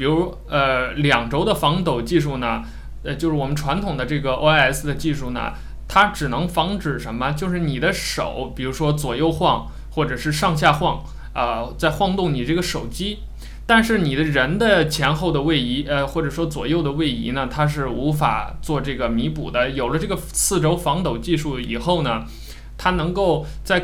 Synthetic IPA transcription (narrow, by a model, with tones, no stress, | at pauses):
pi˨˩ɻu˧˥ɔ˥ə˧ljɑ˨˩ŋʈ͡ʂo˥ʊd̪ə˨fɑ˧˥ŋt̪o˨˩ʊt͡ɕi˥˧ʂu˥˩nə˩˧ | t͡ɕjʊʂɻ̩˥˩wɔ˨˩mə˦nʈ͡ʂʰwa˧˥nt̪ʰʊ˨˩ŋd̪ə˦ʈ͡ʂɤ˥˩ɡə˩ʔo̰˥a˥ɛ˥s̩˥˩d̪ə˩t͡ɕi˥˧ʂu˥˩nə̰˩ | t̪ʰa˥ʈ͡ʂɻ̩˨˩nɤ˧˥ŋfɑ˧˥ŋʈ͡ʂɻ̩˨˩ʂə˧˥mə˧t͡ɕjo˥˧ʊʂ̬ɻ̩˥˩ni˨˩d̪ə˦ʂo̰˨˩˦ʊpi˨˩ɻu˧˥ʂwɔ˥t͡swɔ˨˩jo˥˧ʊxwɑ˥˩˧ŋ | xwɔ˥˩ʈ͡ʂɤ˨˩ʂɻ̩˥˧ʂɑ˥˧ŋɕ̬ja˥˧xwɑ˥˩ŋ | ə˧t͡sa˥˧ɪxwɑ˥˧ŋt̪ʊ˥˩ŋni˨˩ʈ͡ʂɤ˥˩ɡə˩ʂo˨˩ʊt͡ɕi˥ | t̪a˥˧nʂɻ̩˥˩ni˨˩d̪ə˦ɻə˧˥nd̪ə˧t͡ɕʰjɛ˧˥nxo˥˩ʊd̪ə˩we˥˩ɪi˧˥ə˧xwɔ˥˩ʈ͡ʂɤ˨˩ʂwɔ˥t͡swɔ̰˨˩jo˥˩ʊd̪ə˩we˥˩ɪḭ˧˥nə˨t̪ʰa˥ʂ̬ɻ̩˥˩u˧˥fa̰˨˩t͡swɔ˥˧ʈ͡ʂɤ˥˩ɡə˩mi˧˥pṵ˨˩d̪ə˦jo˨˩ʊlə˦ʈ͡ʂɤ˥˩ɡə˩t͡sʰɹ̩˥˩ʈ͡ʂo˥ʊfɑ˧˥ŋt̪o˨˩ʊt͡ɕi˥˧ʂu˥˩ḭ˨˩xo˥˩ʊnə˩ | t̪ʰa˥nɤ˧˥ŋko˥˧ʊt͡sa˥˩ɪ